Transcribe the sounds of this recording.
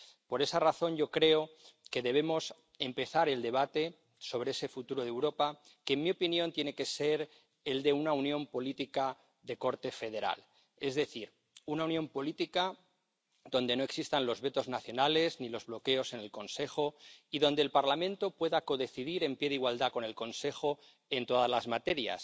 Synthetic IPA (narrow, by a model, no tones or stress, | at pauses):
po̞ɾe̞saraθo̞nʝo̞kɾe̞oke̞ðe̞β̞e̞mo̞s | e̞mpe̞θaɾe̞ld̪e̞β̞at̪e̞ | so̞β̞ɾeese̞fut̪uɾoð̞e̞wɾo̞pa | kenmio̞pinjõ̞nt̪je̞ne̞ke̞se̞ɾ | e̞ld̪e̞unaunjõ̞mpo̞lit̪ika | ðe̞ko̞ɾt̪e̞fe̞ð̞e̞ɾa̰l | e̞zðe̞θiɾ | unaunjõ̞mpo̞lit̪ika | ðo̞nd̪e̞no̞e̞ksist̪anlo̞zβe̞t̪o̞znaθjo̞nale̞znilo̞zβlo̞ke̞o̞se̞ne̞lko̞nse̞xo̞iðo̞nd̪elpaɾlamẽnt̪o̞pwe̞ðako̞ðeθiðiɾe̞mpje̞ðiɣwald̪ako̞ne̞lko̞nse̞xo̞ | e̞nt̪o̞ðazlazmat̪e̞ɾja̰s